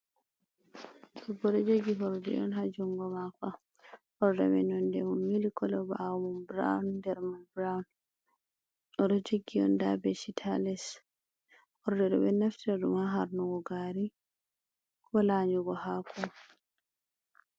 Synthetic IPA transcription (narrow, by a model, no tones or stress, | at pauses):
ɗɔbɔɾɛd͡ʒoɡiɦɔɾdɛ̰ʔɔ̰nɦad͡ʒuŋɡɔmaka | hɔɾdɛ̰bɛ̰nɔndɛmumːilikɔlɛba̰mumbɾa̰wndɛɾmanbɾawn | ɔdɔd͡ʒoɡːiɔ̰nda̰bɛsitʰalɛs | ɔɾdɛdɔ̰bɛnaftadṵmaɦaɾnɔɡɔɡaɾi | kɔlaɲd͡ʒuɡɔhakʰɔ